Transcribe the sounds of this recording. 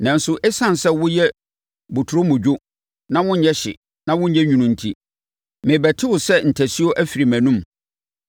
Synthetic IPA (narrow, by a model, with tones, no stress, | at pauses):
nã˨n˦sʊ˦ʔɛ˦sã˦n˨sɛ˦wʊ̃˦jɛ˦ | bu˨tʰu˨ɾo˦mʊ̃˨d͡ʑᶣʊ˦ | nã˦wʊ̃˦ɲ̩˦ɲɛ˦ɕɪ̰˨ | nã˦wʊ̃˦ɲ̩˦ɲɛ˦ɲᶣũ˨nũ˨n̩˨tʰi˦ | mɪ̃˨bæ˨tʰɪ˦wʊ˨sɛ˦n̩˨tʰæ˨si˦o˦ʔæ˦fi˨ɾi˨mæ̃˨nũ˦m